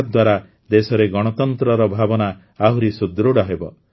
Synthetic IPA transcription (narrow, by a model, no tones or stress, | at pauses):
d̪waɾa | d̪esɔɾeɡɔɽ̃ɔt̪ɔnt̪ɾɔɾɔbʱabɔna | aɦuɾisud̪ɾuɽaɦebɔ